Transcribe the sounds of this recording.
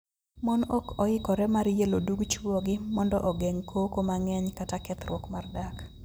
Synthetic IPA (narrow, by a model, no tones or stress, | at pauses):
mɔnɔkɔɪkɔɾɛmaɾjeloduɡt͡ʃwɔɡɪmɔndɔ̰ʔɔɡeŋkʰokomaŋɛɲkatakɛt̪rwɔkmardak